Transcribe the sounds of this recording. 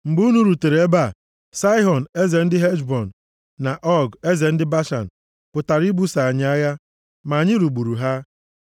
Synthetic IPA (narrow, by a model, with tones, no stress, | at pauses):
ŋ͡m̩˨ɡ͡bu˦nu˦ɾu˨te˨ɾe˦ba˦˨ | sa˦i˦ɦɔ˨n̩˨e˦ze˨n̩˦dɪ˦ɦe˦d͡ʒbɔ˨n̩˨ | na˨ʔɔ˦ɡe˦ze˨n̩˦dɪ˦ba˦ʃa̰˨n̩˨ | pʊ˨ta˨ɾi˦bu˦sa˨a˨ɲɪ˦a˦ja˦ | ma˨ɲɪ˦ɾu˨ɡ͡bu˨ɾu˨ɦa˦